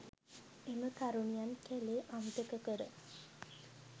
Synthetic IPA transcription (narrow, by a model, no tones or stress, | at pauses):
eməkaɾuɳijankɛleʔamt̪əkəkəɾə